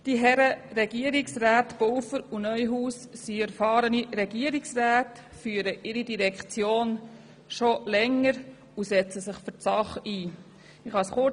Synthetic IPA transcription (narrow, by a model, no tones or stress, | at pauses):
d̥iɦɛɾərɛɡiəɾiksræːtb̥owfəɾunœʏɦuːssiæɾfɑːɾəniɾɛɡiəɾiksræːt | fyːəɾəʔɪɾidiɾɛkt͡sjoːn | ʃolɛŋːəɾ | usɛt͡səsɪχfʏɾtsɑχiː | ɪχɑsχʊ